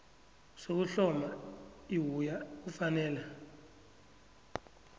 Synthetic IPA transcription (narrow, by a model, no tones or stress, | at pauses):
sok̬uɬɔmaiwujak̬ufanɛːla